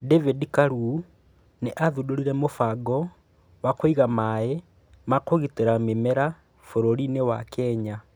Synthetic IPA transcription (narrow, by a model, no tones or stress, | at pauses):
dɛvedikaɾu | neʔaðudoɾiɾɛmofaɡɔ | wakoiɣamae | makoɣiteɾamemɛɾa | foɾoɾinewakɛːɲa